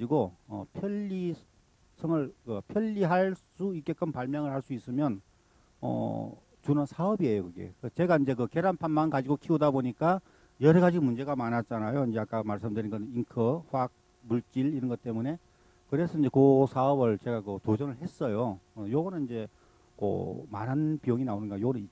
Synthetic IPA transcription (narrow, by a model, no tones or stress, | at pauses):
d͡ʑiɡoʌ̰pʰjʌʎːi | sʰɯŋɯɭkɯpʰjʌʎːiɦaɭs͈uik͈e̞k͈ɯnpaɭmjʌŋɯɭhaɭs͈uis͈ɯmjʌn | ʌ̰ | t͡ɕunɯnsʰaʌbie̞jokɯɡe̞̰kt͡ɕe̞ɡaind͡ʑe̞kɯke̞ɾanpʰanmankad͡ʑiɡokʰiodaboɲik͈a | jʌɾʌɡad͡ʑiɡmund͡ʑe̞ɡamanat̚t͡ɕ͈anajoind͡ʑe̞ak͈amaɭs͈ɯmdɯɾinɡʌniŋkʰɯɸwak̚ | muɭt͡ɕ͈iliɾʌnɡʌt͈e̞mune̞ | kɯɾe̞sʰʌind͡ʑe̞kosʰaʌbɯɭt͡ɕe̞ɡakɯtod͡ʑʌnɯɭɦe̞s͈ʌjoʌjoɡʌnɯnind͡ʑe̞ | ko̰manɦanpijoŋinaonɯnɡajoɡʌnɯni